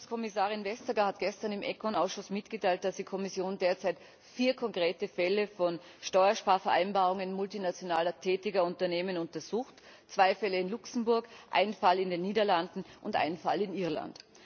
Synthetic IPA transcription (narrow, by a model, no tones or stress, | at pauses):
skʰɔmɪsaːʁɪnvɛstɐɡɐhatɡ̥ɛstɐnɪmʔɛkʰɔnaʊsʃʊsmɪtɡ̥ətʰaɪlt̚d̥asd̥ikʰɔmɪsjoːndeːɐt͡saɪt | fiːɐkʰɔŋkʁ̥eːtəfɛləfɔn | ʃtɔʏɐʃpaːɐfɛɐʔaɪnbaːʁʊŋənmʊltinat͡sjonaːlɐtʰɛːtɪɡɐʊntɐneːmənʊntɐz̥uːxt | t͡sv̥aɪfɛləɪnlʊksm̩bʊɐkʔa̰ɪnfalɪndeːnːiːdɐlandn̩ʔʊntʔa̰ɪnfa̰lɪnɪɐla̰nt